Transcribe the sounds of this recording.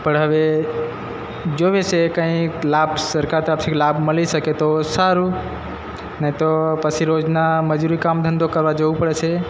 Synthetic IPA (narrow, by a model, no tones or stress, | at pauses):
pəɽ̤əʋe | d͡ʒoʋesekə̃ĩlabsəɾkaɾt̪ɾat̪ʰiklabʱməlisəket̪osaɾu | nəĩt̪opəsʰiɾod͡ʒnaməd͡ʒuɾikamd̪ʱə̃nd̪okəɾʋad͡ʒoupəɽet͡ʃʰe